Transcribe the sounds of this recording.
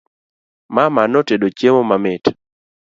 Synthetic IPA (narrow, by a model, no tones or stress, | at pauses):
mamanotedot͡ʃjemomamɪt